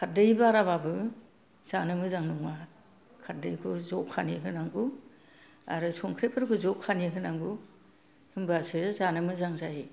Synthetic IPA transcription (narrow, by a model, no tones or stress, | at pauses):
kʰadɯjbaɾababɯ | z̥anɯmɯzaŋnuŋat | kʰat̚dɯjkʰɯzɔkʰaniɦɯnaŋɡu | a̰ɾɯsɔŋkʰɾepʰɯɾkʰɯzɔkʰːaniɦɯnaŋɡu | hɯmbɯasɯzanɯmɯzaŋzaji